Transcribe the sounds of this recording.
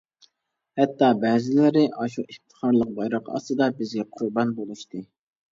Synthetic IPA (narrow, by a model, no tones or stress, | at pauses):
hɛt̪ːɑbɛːzɪlɪɾɪʔɑʃuʔeχt̪ʰɨ̥χɑɾlˠəq̚bɑjɾɑqɑ̰sɨd̪ɑbɪzɡʲɛqʰʊɾbɑnbolˠuʃt̪ɨ